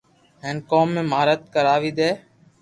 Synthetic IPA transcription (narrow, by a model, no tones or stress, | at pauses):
ɦeːnkoːmːẽːmaːɾət̪̚kəɾaːʋiːd̪eː